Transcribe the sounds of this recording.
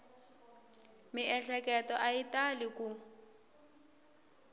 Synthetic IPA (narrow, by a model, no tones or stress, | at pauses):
mɪʔɛɬɛkɛtɔʔaitalɪku